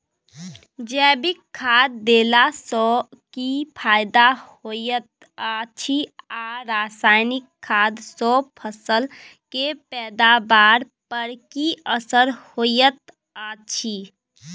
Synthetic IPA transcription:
d͡ʒɛːbikʰːad̪ːeːlasɔkipʰaːɪd̪ahojət̪̚ | at͡ʃʰiaɾasaːnɪkʰːad̪sɔpʰəsəlkepɛːd̪abaːɾ | pəɾkiəsəɾhojət̪ | at͡ʃʰi

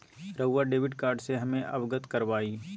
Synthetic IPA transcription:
ɾəːaɖeːʋɪɖkaːɾɖseɦɐmẽʔɐbɡət̪kɐɾʋaːiː

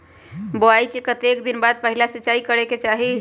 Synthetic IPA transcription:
boaikekət̪ekd̪inbad̪̚pəɦilasiːt͡ʃaikəɾeket͡ʃaɦi

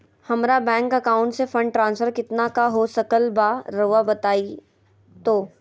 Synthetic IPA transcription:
hɐmɾabɛ̃ːŋkɐkaːʊ̃ɳʈsefɐ̃ɳɖ̚ʈɾãːnsfəɾkɪt̪nakaɦosɐkəlbaɾɐʋabɐt̪aːi | t̪oː

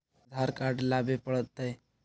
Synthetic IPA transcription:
d̪ʱaɾkaɾɖlaːbepəɽət̪ːəj

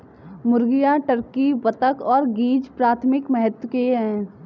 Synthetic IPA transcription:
mʊɾɡijaʈəɾkibət̪əkɔːɾɡiːd͡ʒpɾaːt̪ʰmɪkmɛɦət̪wəkeɦɛ̃ː

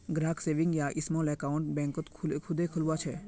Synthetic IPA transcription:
ɡɾaːkseːʋɪ̃ŋɡjaʔɪsmɔlɛkaʊ̃ɳʈ̚bɛ̃ŋkət̪kʰkʰʊd̪ekʰʊlʋat͡ʃʰe

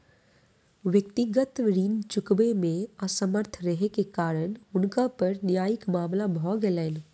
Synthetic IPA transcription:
ʋjəkt̪ɪɡət̪ɾiːnt͡ʃʊkbemẽəsəməɾt̪ʰɾəɦekekaːɾəñʊnkapɐɾnɪjaːjɪkmaːmlabʱɔɡelen

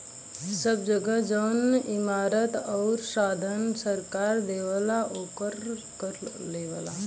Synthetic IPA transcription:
səb̚d͡ʒəɡəd͡ʒəwnimaːɾət̪ɔːɾsaːd̪ʱənsəɾkaːɾd̪eːʋəlaʔoːkəɾkəɾleːʋala

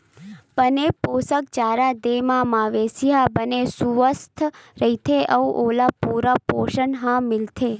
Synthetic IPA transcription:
pəneposək̚t͡ʃaːɾad̪emãmaʋesiɦabənesuʋəst̪ʰɾəɦit̪ʰeʔəuʔoːlapuɾapoːʃənɦãmɪlt̪ʰe

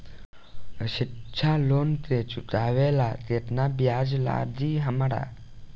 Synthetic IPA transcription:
əʃɪtːt͡ʃʰalont̪et͡ʃut̪aʋelat̪et̪nabjad͡ʒla̰d̪iɦəməɽa̰

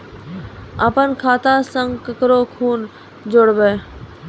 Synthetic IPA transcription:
apənkʰaːt̪aːsə̃ŋɡkəkɾoːkʰuːn | d͡ʒoɽbeː

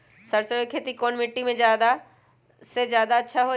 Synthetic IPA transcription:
sɐɾsəjkʰeːt̪ikoːnmɪʈːimẽd͡ʑjaːd̪a | sezjaːd̪atːʃʰaɦo

